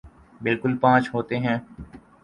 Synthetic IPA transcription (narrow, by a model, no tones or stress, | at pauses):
bɪlkʊlpãːt͡ʃɦoːt̪eɦɛ̃ː